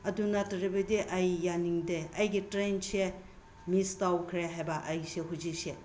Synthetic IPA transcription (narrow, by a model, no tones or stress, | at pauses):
ɐdunatɐɾibɐdiʔɐjːaniŋdeɐjɡitɾense | mistawkʰɾeɦajbɐʔɐjseɦuzikse